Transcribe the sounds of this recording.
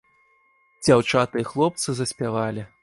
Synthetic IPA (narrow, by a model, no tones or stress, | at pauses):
d͡zʲawt͡ʂat̪ɨjixlˠɔp̚t̪sɨzɐsʲpʲavalʲi